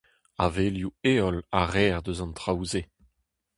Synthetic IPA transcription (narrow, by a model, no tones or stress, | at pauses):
aveljueːɔlaʁɛːʁd̪øzɑ̃nt̪ʁawze